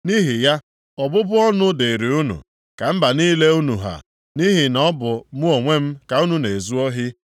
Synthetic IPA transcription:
ni˦ɦi˨ja˦ | ɔ˨bʊ˦bʊ˦ɔ˦nʊ˦de˨ɾi˨u˦nṵ˨ | ka˨m̩˦ba˨ni˦le˦u˦nu˨ɦa̰˨ | ni˦ɦi˨nɔ˦bʊ˨mʊ˦o˨ŋʷe˦m̩˦ka˨u˦nu˨ne˨zu˦ɔ˦ɦɪ˦

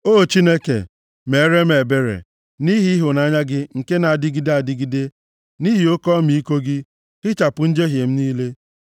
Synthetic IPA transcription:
oː˦˨t͡ʃi˦ne˦kḛ˨ | me˨˦ɾe˦me˨be˦ɾḛ˨ | ni˦ɦi˦i˦ɦʊ˨na˨˦ɲa˦ɡɪ˦ŋ̩˨ke˦na˨a˨dɪ˦ɡi˦de˦a˨dɪ˦ɡi˦de˦ | ni˦ɦi˨o˦kɔ˦mi˨i˦ko˦ɡɪ˦ | kɪ˦t͡ʃa˨pʊ˨n̩˦d͡ʒe˦ɦje˨m̩˦niː˦le˦

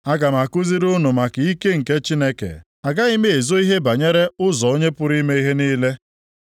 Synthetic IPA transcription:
a˦ɡa˨m˨a˨kʊ˦zi˦ɾʊ˦nʊ˨ma˨kɪ˨i˦ke˦ŋ̩˨ke˦t͡ʃi˦ne˦kḛ˨ | a˨ɡa˦i˦me˦e˨zo˦i˦ɦe˦ba˨ɲe˦ɾe˦ʊ˦zɔ˨o˦ɲe˦pʊ˦ɾi˦me˦i˦ɦe˦niː˦le˦

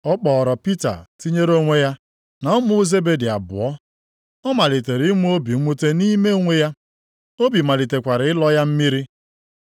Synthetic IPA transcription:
ɔ˦k͡pɔː˨ɾɔ˨pi˦ta̰˨ti˦ɲe˦ɾo˦ŋʷe˦ja˦ | na˨ʊ˦mʊ˦ze˦be˦di˨a̰˨bʊ̰˨ɔ˦ | ɔ˦ma˨li˨te˨ɾi˦mu˦o˦bi˨˦mu˦te˦ni˦me˦ŋʷe˦ja˦ | o˦bi˨ma˨li˨te˨kʷa˨ɾɪ˨ɪ˦lɔ˦ja˦m̩˦mi˦ɾi˦

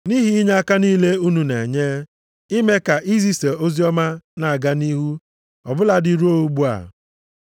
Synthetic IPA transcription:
ni˦ɦi˦i˦ɲa˦a˦ka˦niː˦le˦u˦nu˨ne˨ɲeː˦ | i˦me˦ka˨ʔi˦zi˦se˨o˦zi˦ɔ˦ma˦na˨a˨ɡa˦ni˦ɦu˦ | ɔ̰˨bʊ˦la˨dɪ˨ɾu˦o˦u˦ɡ͡bu˦a̰˨

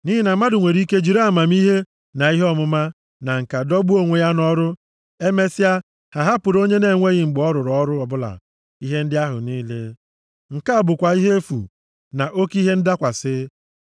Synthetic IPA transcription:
ni˦ɪ˦na˨ma˦dʊ˨ŋʷe˨ɾi˦ke˦d͡ʒi˨ɾa˨ma˨m˦i˦ɦe˦ | na˨i˦ɦe˦ɔ˦mʊ˦ma˦ | na˨ŋ̩˨ka˨dɔ˦bu˦o˦ŋʷe˨ja˦nɔ˦ɾʊ˦ | e˦me˦sɪ˦a˦ | ha˨ɦa˦pʊ˨ɾo˦ɲe˦ne˨ŋʷe˦ɣɪ˦ŋ͡m̩˨ɡ͡bɔ˦ɾʊ˨ɾɔ˦ɾʊ˦ɔ˨bʊ˦la̰˨ | i˦ɦe˦n̩˦dɪ˦a˦ɦʊ̰˨niː˦le˦ | ŋ̩˨ka˦a˨bʊ˨kʷa˨i˦ɦe˦e˦fṵ˨ | na˨ʔo˦ki˦ɦe˦n̩˦da˦kʷa˨sɪ˦

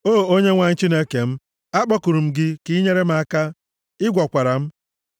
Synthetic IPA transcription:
oː˦˨o˦ɲe˦ŋʷa˨ŋ̩˦t͡ʃi˦ne˦ke˨m̩˦ | a˦k͡pɔ˦ku˨ɾu˨m̩˦ɡɪ˦ki˦ɲe˦ɾe˦m̩˦a˦ka˦ | ɪ˦ɡʷɔ˨kʷa˨ɾa˨m̩˦

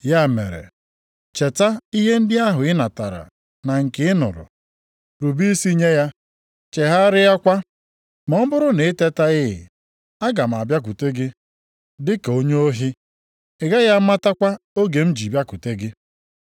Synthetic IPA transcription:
ja˦˨mḛ˨ɾḛ˨ | t͡ʃe˨ta˦i˦ɦe˦n̩˦dɪ˦a˦ɦʊ˨ɪ˦na˨ta˨ɾa̰˨ | na˨ŋ̩˨kɪ˦ɪ˦nʊ̰˨ɾʊ̰˨ | ɾu˨bi˦i˦si˦ɲe˦ja˦ | t͡ʃe˨ɦa˦ɾɪ˦a˦kʷa˦ | mɔ˨m̩˦bʊ˦ɾʊ˦ne˨ɪ˦te˦ta˦ɪ˦ɦɪ̰˨ | a˦ɡa˨m̩˨a˨bja˦k̬u˨te˦ɡɪ˦ | dɪ˦ko˦ɲe˦o˦ɦi˦ | ɪ˨ɡa˦ja˦ma˦ta˦kʷa˦o˦ɡe˨m̩˦d͡ʒi˨bja˦ku˨te˦ɡɪ˦

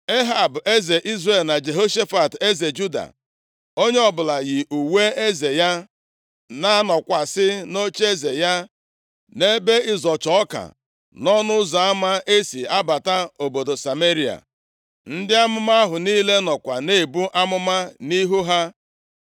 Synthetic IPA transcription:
e˦ɦa˨be˦ze˨ʔi˦zre˨lna˨d͡ʒe˨ɦo˦ʃe˦fa˨te˦ze˨d͡ʒu˦da̰˨ | o˦ɲe˦ɔ˦bʊ˨la˨ɣɪ˨ʔu˨we˦e˦ze˨ja˦ | na˦nɔ˨kʷa˨sɪ˦no˦t͡ʃe˦ze˨ja˦ | ne˦be˦ɪ˨zɔ˨t͡ʃɔ˨ɔ˦ka̰˨ | nɔ˦nʊ˦za˨a˦ma˦e˦si˨a˦ba˨ta˦o˨bo˨do˨sa˨me˦ɾi˨a̰˨ | n̩˦dɪ˦a˦mʊ˦ma˦a˦ɦʊ˨niː˦le˦nɔ˨kʷa˨ne˦˨bu˦ʔa˦mʊ˦ma˦ni˦ɦu˦ɦa˦

